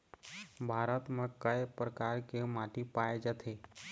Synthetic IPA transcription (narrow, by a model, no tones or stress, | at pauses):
bʱaːɾət̪mə̃kəjpɾəkaɾkemaʈipaed͡ʒət̪ʰe